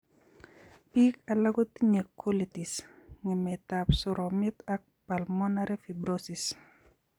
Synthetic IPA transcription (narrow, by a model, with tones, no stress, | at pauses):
pi˦ka˨la˦ɡo˦ti˦ɲe˨kʰːo˦li˨ti˨sŋɪ˨mɛ˨ta˨psʊ˨ɾɔ˨mɪ˦t̪a˦k̚pa˨lmɔ˦naɾɛ˦fi˨bɾosi˨s